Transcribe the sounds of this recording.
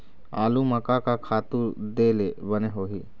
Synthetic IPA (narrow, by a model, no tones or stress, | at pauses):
a̰ːlũmɐkakakʰaːt̪ũɾd̪eːlebəneɦoːɦi